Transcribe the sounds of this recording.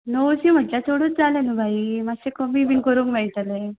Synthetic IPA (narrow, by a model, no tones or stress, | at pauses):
nowsim̤əʈljat̪ʰoɽot̚d͡zalenubʱaimasekomibinkəɾuːŋkmaɭit̪ale